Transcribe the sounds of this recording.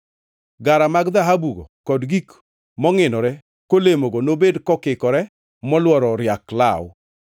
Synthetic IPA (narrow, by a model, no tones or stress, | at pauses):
ɡaɾamaɡd̪aɦabuɡɔ̰kɔdɡik | mɔŋɪnɔɾɛ | kolemoɡɔnobedkɔkɪkɔɾɛ | mɔlwɔɾɔɾɪjakla̰wʊ̰